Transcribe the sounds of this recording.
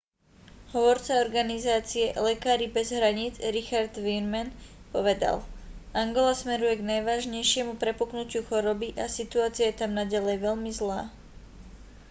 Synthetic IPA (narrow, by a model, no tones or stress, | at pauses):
ɦɔʋɔɾt͡saɔɾɡanizaːt͡siɛlɛkaːɾibɛzɦɾaɲiːd͡zɾixaɾd̪ʋiɾmanpɔʋɛd̪a̰lʔaŋɡɔlasmɛɾujɛɡnajʋaːʒɲɛjʃɪɛmupɾɛpuknucuxɔɾɔbiʔasit̪uaːt͡sijajɛt̪amnaɟalɛjʋɛʎmizlaː